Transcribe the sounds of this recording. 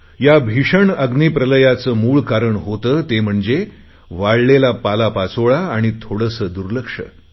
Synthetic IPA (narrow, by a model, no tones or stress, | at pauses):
jabʱiʂəɳəɡnipɾələjat͡səːmuːɭkaɾəɳɦot̪əːt̪em̤əɳd͡ze | ʋaɽlelapalapat͡soɭaːɽ̃it̪ʰoɽəsəːd̪uɾləkʂə̰